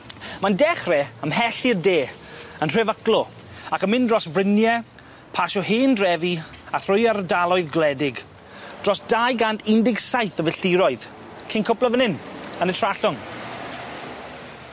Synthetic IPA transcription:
mandɛχrɛəmhɛɬirdeː | ənr̥ɛvəklɔ | akəmɪndrɔsvrɪnjɛ | pʰaʃɔheːndrɛvi | aθrʊjardalˠɔɨðɡlɛdɪɡ | d̥rɔsd̥ajɡantʰɪndɪɡsajθəvɪɬtɪɾɔɨð | kʰɪnkʰʊpləvənɪnənətʰr̥aɬʊŋ

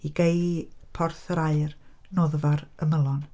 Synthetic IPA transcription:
iɡejpʰɔrθəɾaɨr | noːðəvaɾəməlˠɔn

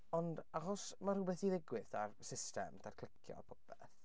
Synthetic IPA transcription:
ɔndaχɔsmaruːbɛθiðɪɡwɪθarsɪstɛ̰mdʰarkʰl̥ɪkʰjɔ̰pʰɔpɛθ

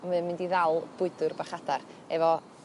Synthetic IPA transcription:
ɔmɨnmɪndiðalˠb̥ʊɨdʊrbaχadar | ɛvɔ

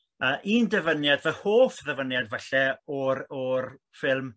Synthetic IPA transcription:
əʔiːndəvənjadvəhoːfðəvənjadvaɬɛɔrɔr | fɪlˠm

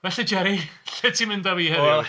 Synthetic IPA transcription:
vɛɬid͡ʒɛɾiɬɛtʰimɪndaviːhɛɪ

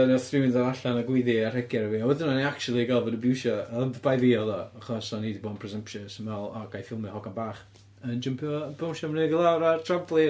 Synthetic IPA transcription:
naθrɪwɪndaɾaɬanaɡwɪðiar̥ɛɡjɛɾəviɔwɛðɪnɔneakt͡ʃulˠiɡalˠvɔdəbɪwʃɔəndəbajðiɔðɔaχɔsɔnidiboːdnpʰrɛzəmpʃəsənɛlˠa̰ɡ̥ajfɪlˠmɛhɔɡanbaːχ | ənd͡ʒəmpʰiɔbɪwʃɔmənɛɡəlˠawɾatʰrablˠi

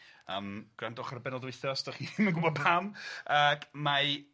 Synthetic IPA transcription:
əmɡ̥randɔχarbɛnɔdweɨθɔsd̥aχimənɡʊbɔ̥pʰamaɡma

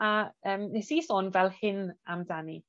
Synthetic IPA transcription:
aəːmnɛsisoːnvɛlˠhɪnamdanḭ

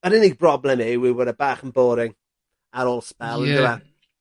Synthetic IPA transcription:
ədɪnibrɔblɛmiwiwədəbaːχənboːɾɪŋ | aɾoːlˠspɛlˠədɪwa

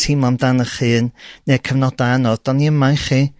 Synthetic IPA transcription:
tʰimɔndanəχɨːnːeːkʰəvnɔdajanɔðd̥ɔniəmajχiː

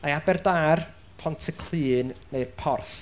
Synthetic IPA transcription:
aabɛrdaːr | pʰɔntʰəkʰl̥ɨːnːejrpʰɔrθ

